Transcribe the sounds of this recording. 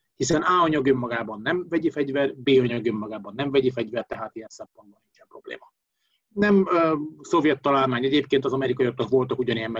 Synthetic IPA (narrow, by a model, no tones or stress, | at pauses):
hisɛnaːɒɲɒɡøːmːɒɡaːbɒnːɛmvɛɟifɛɟvɛrbeːɒɲɒɡøːmːɒɡaːbɒnːɛɱvɛɟifɛɟvɛrt̪ɛɦaːt̪ijɛnsɛmpo̞nd̪boniŋkɛpro̞blḛːmɒ | nɛmso̞vjɛt̪ːɒlaːlmaːɲɛɟeːpkeːnt̪ɒzɒmɛɾikɒjot̪okʋo̞lt̪ɒkuɟɒniɛmːɛ